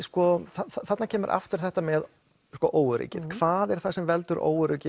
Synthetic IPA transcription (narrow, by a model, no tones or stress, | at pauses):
skɔθaθat̪nacʰɛːmʏɾʔa̰ft̪ʏɾ̥θɛht̪amɛð | skɔʔoːwʏɾḭːcɪðkʰvaːðɛɾ̥θasɛmvɛlt̪ʏɾʔo̰ːwʏɾicɪ